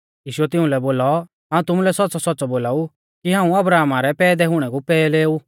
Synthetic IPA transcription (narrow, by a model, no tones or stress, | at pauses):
jiːʃʊɛt̪ɪ̃ũlɛboːlɔ | ɦaːũt̪ʊmulɛsɔtːsɔsɔtːsɔboːlaːu | kiɦãːũɐbɾaːmaɾɛpɛːd̪ɛɦʊɽ̃ɛɡupɛːleːu